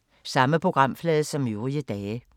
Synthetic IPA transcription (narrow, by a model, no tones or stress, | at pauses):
sɑ̈məpʰʁo̝ɡ̥ʁɑ̈m̰flɛːð̩ˠsɒ̽mjoːʁiəd̥ɛː